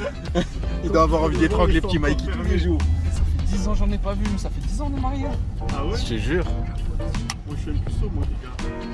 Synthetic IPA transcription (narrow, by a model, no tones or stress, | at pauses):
ild̪waːvwaʁɑ̃vid̪let̪ʁɑ̃ɡlepət̪imajkit̪ũlid̪josafɛd̪izɑ̃ʒɑ̃nɛpavysafɛd̪izɑ̃d̪əmaʁjoawɛsʒeʒyʁ | mwaʒɛ̃mpysomod̪iɡa